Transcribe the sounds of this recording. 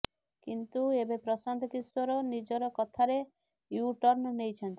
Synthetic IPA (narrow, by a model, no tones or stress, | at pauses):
kint̪uebepɾɔsand̪ʱɔkiswɔɾɔnid͡ʒɔɾɔkɔt̪ʰaɾe | juʈɔɾnɔnejt͡ʃʰɔnt̪i̥